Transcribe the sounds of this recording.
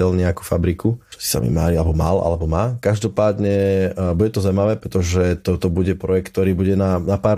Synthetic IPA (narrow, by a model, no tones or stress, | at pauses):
ɛlɲɛaku̥fabɾikut͡ʃɔ̥si̥sa̰mḭmaːɾialɛbɔma̰lʔa̰lɛbɔmaːkaʒd̪ɔpaːd̪ɲɛbuɟɛt̪ɔzaʊimaʋɛːpɾɛt̪ɔʒɛt̪ɔt̪ɔbuɟɛpɾɔjɛk̚t̪ːɔɾiːbuɟɛnanapaːɾ